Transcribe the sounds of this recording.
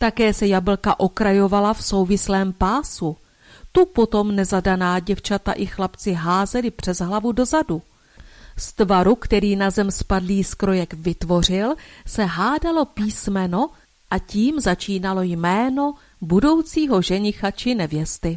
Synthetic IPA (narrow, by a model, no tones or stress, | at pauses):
t̪akɛːsɛjabl̩kaʔo̞kɾajo̞valafso̞wvɪslɛːmpaːsu | t̪upo̞t̪o̞mnɛzadanaːɟɛft͡ʃat̪a̰ʔɪxlapt͡sɪɦaːzɛlɪpr̝̥ɛzɦlavudo̞zadu | st̪vaɾukt̪ɛɾiːnazɛmspadliːskɾo̞jɛkvɪt̪vo̞r̝ɪlsɛɦaːdalo̞piːsmɛno̞ | ʔaciːmzat͡ʃiːnalo̞jmɛːno̞ | budo̞wt͡siːɦo̞ʒɛɲɪxat͡ʃɪnɛvjɛst̪ɪ